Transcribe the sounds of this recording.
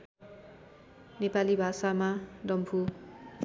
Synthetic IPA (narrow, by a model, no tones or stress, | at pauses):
nepalibʱasamadʌmpʰu